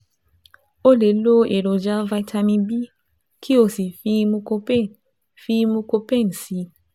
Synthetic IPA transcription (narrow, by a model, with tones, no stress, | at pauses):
o˦le˨˦lo˦e˨ɾo˨d͡ʒa˦va˧jtʰa˧mĩ˧bi˦ | kʰi˦o˦˨si˨fi˧mũ˧ko˧pe˦ | fi˧mũ˧ko˧pe˦˨n˨si˧